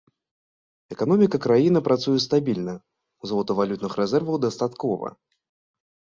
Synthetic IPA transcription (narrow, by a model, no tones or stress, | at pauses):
ɛkanɔmʲikɐkɾajinɐpɾat̪sujɛst̪abʲilʲnɐ | uzlˠɔt̪ɐvalʲut̪nɨxɾɛzɛrvɐwd̪ɐst̪at̪kɔvɐ̰